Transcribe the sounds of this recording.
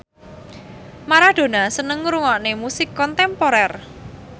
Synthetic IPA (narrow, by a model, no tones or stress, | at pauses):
maɾad̪̥o̤nasənəŋɾuŋɔʔnemusɪkːɔnt̪ɛmpoɾɛr